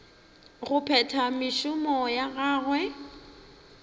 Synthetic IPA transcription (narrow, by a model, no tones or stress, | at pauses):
ɣʊpʰɛtʰamɪʃʊmɔjaɣaːɣwɛ